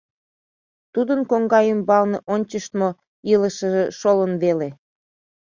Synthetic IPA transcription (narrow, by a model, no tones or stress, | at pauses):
t̪ud̪ənkoŋɡɑjəmbɑlneʔonʲt͡ɕəʃt̪mo | iləʃəʒeʃolənβele